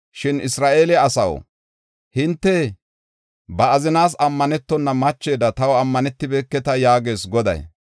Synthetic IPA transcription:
ʃɪnɪsɾaːʔeːlɛɐsɐ̰w | hɪnt̪ːɛ | bɐːzɪnaːsɐmːɐnɛt̪ːɔnːɐmɐt͡ʃːe̞ːd̪ɐt̪ɐwɐmːɐnɛt̪ːɪbɛkːɛt̪ɐjaːɡe̞ːsɡɔd̪ɐ̰j

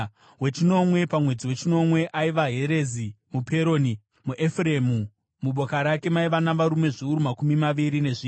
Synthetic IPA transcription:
we̞t͡ʃino̞mwe̞pamwe̞d͡ziwe̞t͡ʃino̞mwe̞ʔaiʋaɦeɾezi | mupʰe̞ɾo̞ni | muʔefremu | muɓo̞kaɾake̞maiʋanaʋaɾume̞ʐiuɾumakumimaʋiɾine̞ʐiː

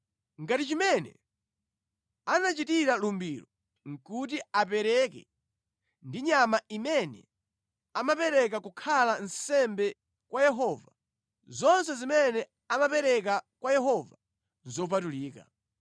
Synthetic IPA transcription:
ŋɡatit͡ʃimɛnɛ̰ | anat͡ʃitiɾalumbilɔ | ŋ̩kut̬iapɛɾɛkɛ̰ | ndiɲamaimɛnɛ̰ | amapɛɾɛk̬akukʰalansɛmbɛ | kwajɛɦɔva | zɔnsɛzimɛnɛ | amapɛɾɛk̬akwajɛɦɔva | zɔp̬atuliːka̰

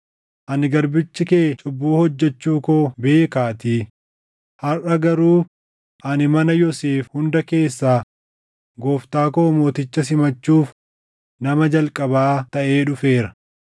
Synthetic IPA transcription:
ʔɐnɪɡɐɾbɪt͡ʃːɪkeːt͡ʃʼʊbːuːhɔd͡ʒːɛt͡ʃːuːkoːbe̞ːkaːt̪iː | hɐrʔɐɡɐɾuː | ʔɐnɪmɐnɐjɔseːfhʊnd̪ɐke̞ːsːaː | ɡoːft̪aːkoːmo̞ːt̪ɪt͡ʃːɐs̬ɪmɐt͡ʃːuːf | nɐmɐd͡ʒɐlkʼɐbaːt̪ɐʔe̞ːᶑʊfe̞ːɾɐ

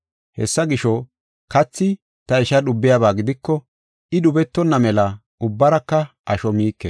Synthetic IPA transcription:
hɛ̰sːɐɡɪʃɔ | kɐt͡sːɪ | t̪ɐɪʃɐɗʊbːɪjabaːɡɪd̪ɪkːɔ | ɪɗʊbɛt̪ːɔnːɐmɛlɐ | ʊbːɐɾɐkːɐ | ʔɐʃɔmiːkːɛ

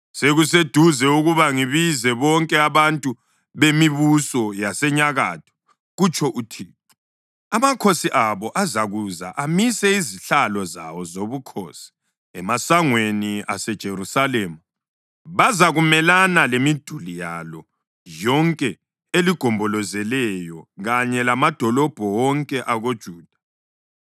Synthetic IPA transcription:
seɣus̬ed̥ʱuzɛuɣuβaŋiβizɛβɔŋkʼɛaβantʼu | βemiβusɔjasɛɲaɣa̰tʰɔ̥ | ɣut͡ʃʼʰɔʔutʰiːt̚ʰu̥ | amakʰosiʔaβɔʔazaɣuza̰ʔamisɛiziɬalɔza̰wɔzoβukʰo̰ːsi̥ | ɛmasaŋweniasɛd̥ʒ̥ʱeɾusaleːmu | βazaɣumɛlanalemid̥ʱulijalɔ | jɔŋkʼɛ | eliɡ̥ʱɔmbʱɔlɔzɛlɛjɔɣaɲɛlamad̥ʱɔlɔb̥ʱɔwɔŋkʼɛʔaɣod̥ʒ̥ʱuːd̥ʱḁ

